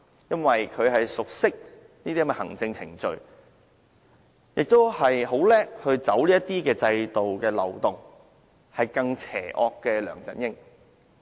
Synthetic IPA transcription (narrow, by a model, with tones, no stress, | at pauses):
jɐ˥nwɐ˨jkʰɵ˨˧ɥɦɐ˨jsʊ˨k̚sɪ˥k̚ | niː˥d̪iː˥mɛ˧hɐ̰˨˩ŋt͡sɪ˧ŋt͡sʰɪ˨˩ŋt͡ʃɵ̰˨ɥ | jɪ˨k̚t̪o˥whɐ˨jɦo˨˥wlɛː˥k̚hɵ˧ɥt͡sɐ˨˥wliː˥ɐ˥t̪ːiː˥kɛː˧t͡sɐ˧jt̪o˨wkɛː˧lɐ̰˨˩wt̪ʊ˨˩ŋ | hɐ˨jkɐ˧ŋt͡sʰɛ̰ː˨˩ʔɔː˧kːɛː˧lœː˨˩ŋt͡sɐ̰˨˥njɪ˥ŋ